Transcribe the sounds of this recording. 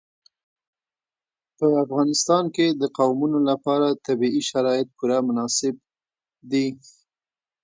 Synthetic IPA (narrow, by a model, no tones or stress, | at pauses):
pəafɣɑnɪst̪ɑnked̪əqawmunolapɑɾat̪abiiʃaɾɑɪt̪̚puɾamʊnɑsɪb̚ | d̪i